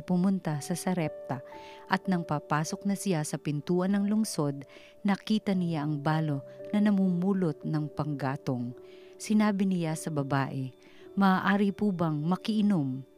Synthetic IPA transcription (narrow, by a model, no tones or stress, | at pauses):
pʊmʊnt̪asɐsɐɾɛp̚t̪ɐʔɐt̪̚nɐŋpapaːso̞k̚nɐsɪjasɐpɪnt̪uːʔɐnːɐŋlʊŋso̞d̪̚ | nɐkiːt̪ɐnɪjaʔɐŋbaːlo̞nɐnɐmuːmuːlot̪̚nɐŋpɐŋɡaːt̪oŋ | sɪnaːbɪnɪjasɐbɐbaːʔɛ | mɐːʔaːɾɪpuːbɐŋmɐkɪʔɪnom